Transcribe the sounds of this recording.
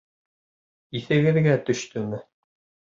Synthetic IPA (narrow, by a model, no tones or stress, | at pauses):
iθɘ̆ɡɘ̆ðɡæt̪ɵ̆ʃt̪ɵmɘ